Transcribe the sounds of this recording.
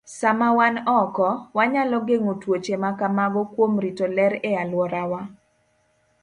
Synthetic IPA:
samawanɔkɔwaɲalɔɡeŋotwot͡ʃemakamaɡɔkwomɾitolɛɾealwɔɾawa

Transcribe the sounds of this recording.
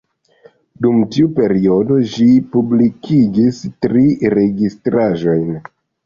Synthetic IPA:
dumtiupe̞ɾio̞do̞ʃipublikʰiɡistɾiɾe̞ɡistɾaʒo̞jn

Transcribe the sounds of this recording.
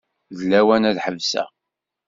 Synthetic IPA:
ðlæwænæðħəvsæ̰

